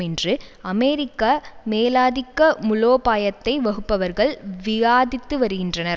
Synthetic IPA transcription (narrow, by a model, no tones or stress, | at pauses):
ɛndrɯɐmeːɾɪkːameːlaːðɪkːɐmʊɭoːpaːjɐt̪ːɐɪʋɐɣɯpːɐʋɐɾɣɐɭʋɪjaːðɪt̪ːɯʋɐɾɯɣɪndrɐnɐ